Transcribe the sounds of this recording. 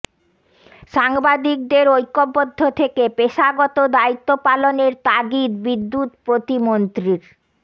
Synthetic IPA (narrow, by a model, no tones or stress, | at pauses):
ʃaŋbad̪ik̚d̪eɾojkːobːod̪ʱːot̪ʰekepeʃaɡɔt̪od̪ait̪ːopaloneɾt̪aɡit̪bid̪ːut̪pɾot̪imont̪ɾiɾ